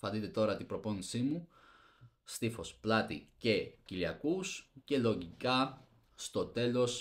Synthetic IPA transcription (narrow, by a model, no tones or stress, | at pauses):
fɐd̪it̪e̞t̪o̞ɾɐt̪ibɾo̞po̞nisimu | st̪ifo̞splɐt̪ḭce̞ciliɐkusce̞lo̞ʝikɐ | st̪o̞t̪e̞lo̞s